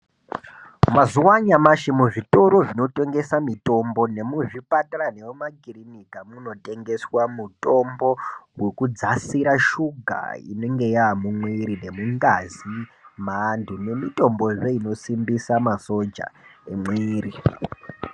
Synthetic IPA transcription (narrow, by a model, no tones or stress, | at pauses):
mazuwaɲamaʃimuʐito̞ɾo̞ʐino̞te̞ŋɡe̞samito̞mbo̞ne̞muʐipatarane̞womakirinikamuno̞tʼe̞ŋɡe̞swamutʼo̞mbo̞wekud͡zasiɾaʃuɡʱa̰ḭne̞ŋɡe̞jamumwiɾine̞muŋɡazimaːndʰʱune̞mito̞mbo̞ʐeino̞simbisamaso̞d͡ʒa̰emwiːri